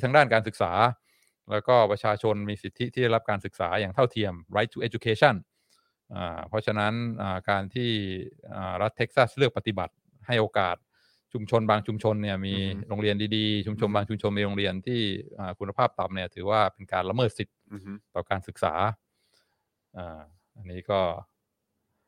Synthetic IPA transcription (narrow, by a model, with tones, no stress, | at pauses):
aː˦ŋdaː˥˩nkaː˧nsɯ˨˩k̚saː˩˦ | lɛː˦˥wkɔː˥˩pɾa˧t͡ɕʰaː˧t͡ɕʰo˧nmiː˧si˨˩t̪ʰːi˦˥t̪ʰiː˥˩a˥˩jla˦˥p̚kaː˧nsɯ˨˩k̚saː˩˦jaː˨˩ŋt̪ʰa˥˩wt̪ʰi˧əmɾa˦˥jt̪ʰʔe˦˥t͡ɕu˧kʰeː˧˥t͡ɕʰa˥˩n | ʔa̰ː˨˩pʰɔ˦˥t͡ɕʰa˧na˦˥nʔaː˨˩kaː˧nt̪ʰiː˥˩ʔaː˨˩ɾa˦˥t̪ʰːe˦˥k̚sa˥˩slɯ˥˩ək̚pa˧t̪i˨˩ba̰˨˩t̪̚ | ha˥˩jʔoː˧kaː˨˩t̪̚ | t͡ɕʰu˧mt͡ɕʰo˧nbaː˧ŋt͡ɕʰu˧mt͡ɕʰo˧nːi˥˩ɐmiː˧ɾoː˧ŋɾi˧əndiː˧diː˧t͡ɕʰu˧mt͡ɕʰo˧nbaː˧ŋt͡ɕʰu˧mt͡ɕʰo˧nmiː˧ɾo˧ŋɾi˧ənt̪ʰiː˥˩ʔaː˨˩kʰu˧nːa˧pʰaː˥˩p̚t̪a˨mni˥˩ɐt̪ʰɯː˩˦waː˥˩pe˧nkaː˧nɾa˧mɤː˥˩t̪̚si˨˩t̪̚t̪ːɔː˨˩kaː˧nsɯ˨˩k̚sa̰ː˩˦ | ʔaː˨˩ | ʔa˧nːiː˦˥kɔː˥˩